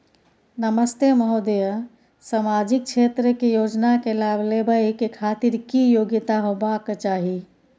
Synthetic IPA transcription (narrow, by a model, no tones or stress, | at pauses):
nəməst̪eməɦod̪ejə | səmad͡ʒik̚t͡ʃʰet̪ɾəkejoːd͡ʒnakelablebəikekʰat̪iɾkijoɡit̪aɦobakt͡ʃaːɦi